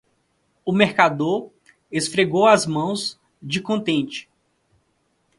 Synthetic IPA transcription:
ʊmeɾkad̪oɾ | esfɾeɡowɐzmɐ̃w̃z | d͡ʒɪkõnt̪ẽnt͡ʃɪ̥

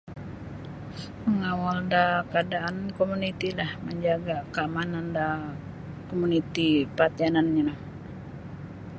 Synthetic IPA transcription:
məŋawaldakadaankomunit̪ilahməɲd͡ʒaɡakəamananda | komunit̪ipat̪ananɲaa

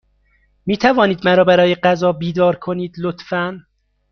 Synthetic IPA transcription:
miːt̪ʰævɒːniːd̪mæɾɒːbæɾɒːje̞ɢæzɒːbiːd̪ɒːɾkʰo̞niːd̪lot̪fæn

